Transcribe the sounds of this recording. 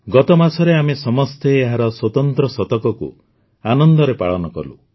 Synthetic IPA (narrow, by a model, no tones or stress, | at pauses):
ɡɔt̪ɔmasʰɔɾeamesɔmɔst̪eːɦaɾɔswɔt̪ɔnt̪ɾɔsɔt̪ɔkɔkṵ | anɔnd̪ɔɾepaɭɔnɔkɔ̰lṵ